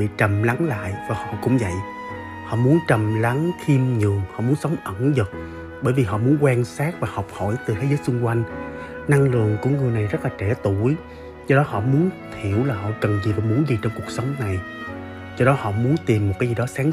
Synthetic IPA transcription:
ɓḭ˧˨t͡ɕə˨˩mla˨˦nla̰ː˧˨jvaː˨˩hɔ̰˧˨kʊ̰˧˥ŋ͡mvə̰˧˨j | hɔ̰˧˨mu˨˦ənt͡ɕə˨˩mla˨˦ŋxi˧mɲɨ˨˩əŋhɔ̰˧˨mu˨˦ənsə˨˦wŋ͡mʔə˧˩nzə˨˩t̚ | ɓəː˧˩jvi˨˩ɦɔ̰˧˨mu˨˦ənkwaː˧nsaː˦˥k̚vaː˨˩hɔ˨˩wk͡p̚ho̰˧˩jt̪ɨ˨˩t̪ʰe˨˦zəː˨˦jt͡ɕʊ˧ŋ͡mkwa˧jŋ̟ | na˧ŋlɨ̰˧˨əŋku˧˩əŋɨ˨˩əjna˨˩jzə˦˥laː˨˩t͡ɕɛ˧˩t̪u˧˩j | zɔ˧ɗɔ˨˦hɔ̰˧˨mu˨˦ənt̪ʰi˧˩əwlaː˨˩hɔ̰˧˨kə˨˩nzi˨˩vaː˨˩mu˨˦ənzi˨˩t͡ɕɔ˧wŋ͡mku˨˩ək̚sə˨˦wŋ͡mna˨˩j | zɔ˧ɗɔ˨˦hɔ̰˧˨mu˨˦ənt̪i˨˩mː˨˩t̚kːaː˨˦jzi˨˩ɗɔ˨˦saː˨˦ŋ

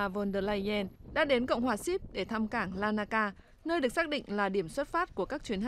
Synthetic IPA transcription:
a˨˩vɔ˧nɗəː˧˩la˧ɛ˧nɗa̰ː˧˥ɗe˨˦nkə̰˧˨wŋ͡mhwaː˨˩si˦˥p̚ɗe˧˩t̪ʰa˧mkaː˧˩ŋlaː˧naː˧kaː˧ | nəː˧jɗɨ˨˩ək̚sa˦˥ɗḭ˧˨ŋ̟laː˨˩ɗi˧˩əmswə˦˥t̚faː˦˥t̚ku˧˩əkaː˦˥k̚t͡ɕwi˨˦nha˧˨

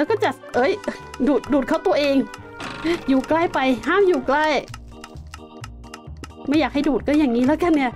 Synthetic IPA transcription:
lɛ˦˥kɔː˥˩t͡ɕa˨˩ | ʔɤː˦˥˩jduː˨˩t̪̚duː˨˩t̪̚kʰa˧˥˩wt̪u˧ɐʔeː˧ŋ | juː˨˩klaː˥˩jpa˧jɦaː˥˩mjuː˨˩kla˧˥˩j | ma˧˥˩jaː˨˩k̚ha˥˩jduː˨˩kɔː˧˥˩jaː˨˩ŋːiː˦˥lɛː˦˥wka˧˩nːi˥˩ɐ

